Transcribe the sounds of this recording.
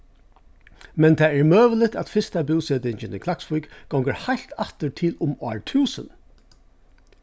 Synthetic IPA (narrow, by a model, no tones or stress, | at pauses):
mɛnt̪ʰɛːɛɹmøːʋəlɪt̪æ̰t̪fɪst̪abɪwseːt̪ɪɲt͡ʃɪnɪkʰlaksfujkɡ̥ɔwŋkəɹhajl̥t̪at̪əɹt̪ʰɪlʊmɑ̰ːɹt̪ʰʉːsə̰n